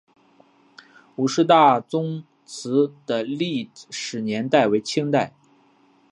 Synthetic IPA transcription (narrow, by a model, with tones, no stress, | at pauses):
u˨˩ʂɻ̩˥˧t̪̬a˥˩t͡sʊ˥ŋ | t͡sʰɹ̩˧˥d̪̥ə˧li˥˩ʂɻ̩˨˩njɛ˧˥nt̪a˥˩ɪwe˧˥ɪt͡ɕʰi˥ŋt̪a˥˩ɪ